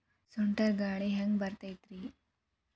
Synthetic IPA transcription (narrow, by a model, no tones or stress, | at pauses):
suɳʈɐɾɡaːɭeɦɐŋɡbɐɾt̪ɐjt̪ɾi